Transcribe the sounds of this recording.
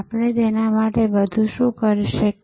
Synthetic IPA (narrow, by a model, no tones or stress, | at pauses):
apɳ̃et̪enamaʈebəd̪ʱuʃũkəɾiʃək